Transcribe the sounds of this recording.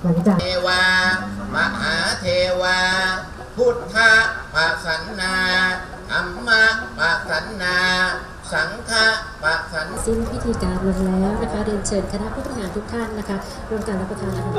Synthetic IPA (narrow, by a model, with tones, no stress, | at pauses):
ma˩˦ŋt͡ɕa˨˩˧waː˧ma˧ɦaː˩˦t̪ʰeː˧waː˧ | pʰu˦˥˩t̪̚p̪ʰa˦˥paː˧˩sa˨˩˦nːaː˧ | ʔa˧˦mːa˧˥pa˧˩sa˨˦nːaː˧ | sa˩˦ŋk̪ʰa˦˧˥ʔ | paː˧˩ʔ̚sa˩˦nsi˥˩ntʰiː˦˥t̪ʰiː˧kaː˧nlo˧ŋlɛː˦˥wna˦˥kʰa˦˥dɤː˧nt͡ɕʰɤː˨˩nkʰa˧na˦˥ʔpʰu˦˥t̪ːa˧˩ŋaː˧nt̪ʰu˦˥k̚t̪ʰa˥˩nːa˦˥kʰa˦˥ | ɾu˥˩əŋk̪aː˧nɾa˦˥pɾa˧t̪ʰaː˧˩na˦˥˧